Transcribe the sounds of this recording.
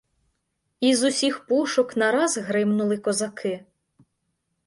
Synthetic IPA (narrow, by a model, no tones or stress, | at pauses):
izʊsʲixpuʃɔknɐɾɑzɦɾɪmnʊlˠɪkɔzɐkʰɪ